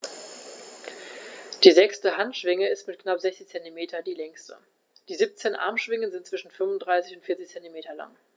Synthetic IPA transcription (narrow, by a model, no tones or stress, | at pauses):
d̥iːzɛkstəɦantʃv̥ɪŋəɪstmɪtknapz̥ɛçt͡sɪçt͡sɛntimeːtʰɐdiːlɛŋstə̰ | d̥iːzip̚t͡seːnʔa̰ɐmʃv̥ɪŋənzɪnt̚t͡sv̥ɪʃn̩fʏnvʊntdʁaɪsɪçʊntfɪɐt͡sɪçt͡sɛntimeːtɐla̰ŋ